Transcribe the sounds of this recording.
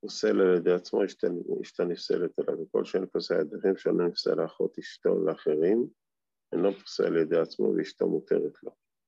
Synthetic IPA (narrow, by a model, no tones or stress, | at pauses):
uselaljed̪ejat͡smoiʃtiʃt̪anifsḛlet̪alaveko̞̰lʃeenpasead̪iχimʃealonifsḛlaːχot̪iʃt̪o̰leaχeʁim | eloti̥fsḛaljed̪ejat͡smo̰veiʃt̪o̰mut̪ḛʁet̪lo̞